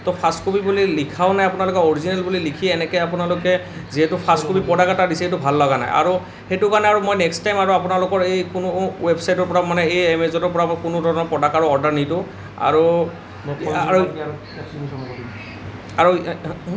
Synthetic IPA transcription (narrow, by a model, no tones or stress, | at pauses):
tɔpʰaskopibulilikʰaʊnajapʊnalʊkɛoɹizinɛlbulilikʰiɛnɛkɛjapʊnalʊkɛ | ziɦɛtʊpʰaskopipɔdakatadisɛetʊbʱalːɔɡana̰jʔa̰ɹu | xetʊkanɛaɹumojnɛkstajmaɹuapʊnalʊkɔɹejkʊnʊwebsajtɔɹpɔɹamanɛejemezɔtɔɹpɔɹakʊnʊdʱɔɹɔnɔɹpɔdakaɹʊɔɹdaɹnitʊ | a̰ɹu | a | aɹu